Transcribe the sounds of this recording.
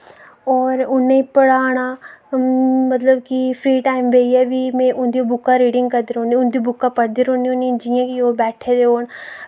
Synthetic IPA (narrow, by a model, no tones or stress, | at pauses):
ɔːɾʊnːeipɐɽaːna | mɐt̪ləbkifʰɾiːʈaːɪmbeːjabimẽʔʊnd̪iobʊkːaɾiːɖɪ̃ŋɡkɐd̪iɾũniʊnd̪iobʊkːapɐɽd̪iɾoniʊnːid͡ʒijãkiobɛːʈʰed̪eoːn